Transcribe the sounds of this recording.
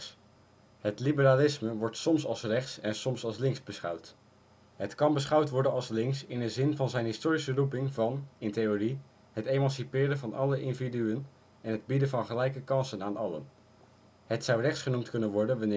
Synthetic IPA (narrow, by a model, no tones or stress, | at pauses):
ɦətlibəɾaːlɪsməʋɔɹtsɔmsɑ̰lˠsrɛχtsɛnsɔmsɑlˠslɪŋzbəsχʌ̰wt | ɦətkɑnbəsχʌwtʋɔɹdənɑlˠslɪŋksɪndəzɪnvɑnzɛjnɦɪstʊːɾisərupɪŋvɑnɪntejoːri | ɦətejmɑnsipɪːɾənvɑnʔɑləʔɪndividyən | ɛnɦəd̚bidəvɑnχəlɛjkəkɑnsənaːnɑlə̰n | ɦətsʌwrɛχtsχənumtkɵnənʋɔɹdənʋɑnː